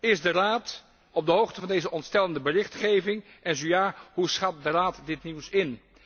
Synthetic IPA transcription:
ɪzdəraːt | ɔb̚dəɦowχtəvɑndejzəʔɔntstɛləndəbərɪχtχejvɪŋ | ʔɛnzojaːɦusχɑt̚dəraːtdɪtniwsɪn

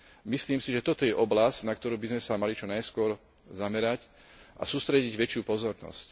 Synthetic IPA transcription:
misliːmsiʒɛt̪ɔt̪ɔjɛʔɔblasɟnak̚t̪ɔɾuːbizmɛsamalit͡ʃɔnajskʊɔɾ | zamɛɾac | ʔa̰suːst̪ɾɛɟiɟʋɛt͡ʃɪuːpɔzɔɾnɔ̰sc

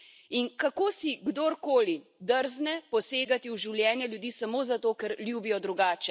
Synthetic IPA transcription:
inkakoːsiɡd̪oɾkoːlid̪əɾznɛpɔseːɡat̪iwʒiwljɛːnjɛljud̪iːsamoːzat̪oːkɛɾljuːbijɔd̪ɾuɡaːt͡ʃɛ

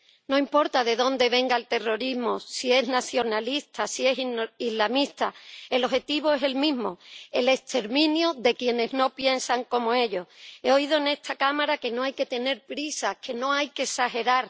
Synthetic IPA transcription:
nõ̞impo̞ɾt̪aðe̞ðõ̞nd̪e̞βe̞ŋɡaelt̪e̞ro̞ɾizmosie̞znaθjo̞nalist̪asie̞siizlamist̪ae̞lo̞ɦe̞t̪iβoe̞se̞lmĩzmo̞e̞le̞st̪e̞ɾmĩnjoðe̞kje̞ne̞zno̞pje̞nsaŋko̞mo̞e̞ʎo̞he̞o̞iðo̞ene̞st̪ʰakamaɾake̞no̞ajke̞t̪e̞ne̞ɾpɾisakʰe̞no̞ajke̞saxe̞ɾaɾ

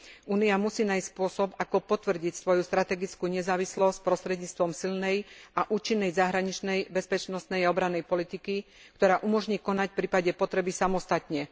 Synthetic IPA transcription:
ʔuːniamusiːnaːjsspʊɔsɔbakɔpɔt̪ʋr̩ɟicsʋɔjust̪ɾat̪ɛɡit͡skuːɲɛzaːʋislɔsc̚pɾɔst̪ɾɛd̪ɲiːt͡st̪ʋɔmsilnɛjaʔuːt͡ʃinːɛjzaɦɾaɲit͡ʃnɛjbɛspɛt͡ʃnɔst̪nɛjaɔbɾanːɛjpɔlit̪iki | kt̪ɔɾaːʔumɔʒɲiːkɔnacfpɾiːpaɟɛpɔt̪ɾɛbisamɔst̪at̪ɲɛ

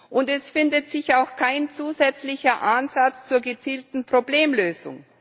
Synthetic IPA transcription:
ʔʊntɛsfɪndətz̥ɪçaʊxkʰaɪnt͡suːzɛt͡slɪçɐʔanzat͡st͡suːɐɡət͡siːltn̩pʁ̥obleːmløːzʊ̰ŋ

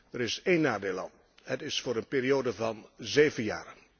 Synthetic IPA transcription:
dəɾɪsejnːaːdeːla̰n | hətɪsfʊːɾənpeːɾioːdəvɑnzeːvənjaːɾən

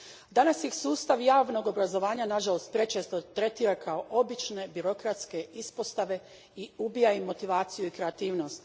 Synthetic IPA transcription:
d̪anasjixsuːst̪aʋjaːʋno̞ɡo̞bɾazo̞ʋaːɲanaʒalˠo̞st̪̚pɾe̞t͡ʃe̞ːst̪o̞t̪ɾe̞t̪iːɾakʰaoʔo̞bit͡ʃne̞biɾo̞kɾat̪ske̞ispo̞st̪aʋe̞ | iubijaimːo̞t̪iʋaːt̪sijuikɾe̞at̪iːʋno̞st̪

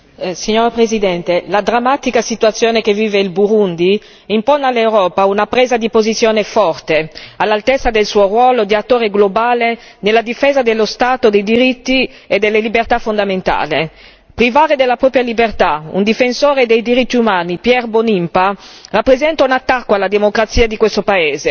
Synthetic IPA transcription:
siɲːoːɾapɾezid̪ɛnt̪elad̪ɾamːat̪ikasit̪uat̪sːjoːnekeviːveilbuɾund̪i | imponalːewɾɔːpaunapɾeːzad̪ipozit̪sːjoːnefɔrt̪ealːalt̪ɛt̪sːad̪elsuːorwɔːlod̪iat̪ːoːɾeɡlobaːle | nelːad̪ifeːzad̪elːost̪aːt̪od̪ejd̪iɾit̪ːi | ed̪elːelibert̪afond̪ament̪a̰ːle | pɾivaːɾed̪elːapɾɔːpɾjalibert̪aṵnd̪ifensoːɾed̪ejd̪iɾit̪ːiumaːnipjɛrbonimparapːɾezɛnt̪aunat̪ːakːoalːad̪emokɾat̪sːiːad̪ikwest̪opaeːze

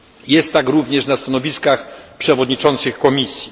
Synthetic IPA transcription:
jɛst̪ːakɾuvɲɛʂnast̪anɔvʲiskaxpʂɛvɔd̪ɲit͡ʂɔnt̪sɘxkɔmʲisʲji

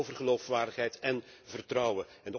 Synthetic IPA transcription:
owvərχəlowfʋaːɹdəχɦɛjtɛnvərtrɑwə | ɛndə

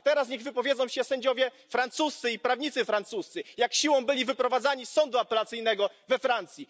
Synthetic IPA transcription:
t̪ɛɾas̬ɲɛɣvɘpɔvʲjed̪zɔ̃w̃ɕɛsɛɲd͡ʑɔvʲjɛ | fɾant̪sust̪sɘipɾavɲit̪sɘfɾant̪sust̪sɘjakɕiwɔ̃w̃bɘlʲivɘpɾɔvad̪zaɲisːɔnd̪uapɛlat̪sɘjnɛɡɔvɛfɾant̪sʲji

